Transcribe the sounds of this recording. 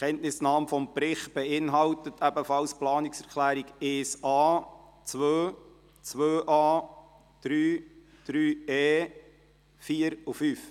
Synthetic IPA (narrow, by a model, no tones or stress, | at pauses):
kʰɛntnɪsnɑːmfɔmpɾɪχtb̥ɛɪnɦɑwtətʰæbəfɑlsplɑːniksɛɾkʰlæːɾiɡeːsɑː | t͡sʋøː | t͡sʋøːʔɑː | d̪̥ɾyː | d̥ɾyːeː | fiːəɾufyːf